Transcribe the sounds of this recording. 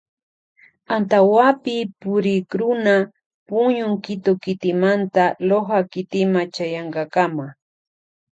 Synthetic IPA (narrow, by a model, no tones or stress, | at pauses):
ant̪awapɪpʊɾɪkɾʊna | pʊɲʊŋkɪt̪okɪt̪ɪmant̪aloχakɪt̪ɪmat͡ʃajaɴkɑkama